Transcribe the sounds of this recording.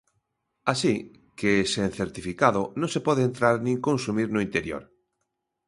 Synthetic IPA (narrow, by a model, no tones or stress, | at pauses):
asi | kesẽn̟θeɾt̪ifikaðʊnõŋsepɔðent̪ɾaɾnĩŋkõnsumiɾnoint̪eɾjo̰ɾ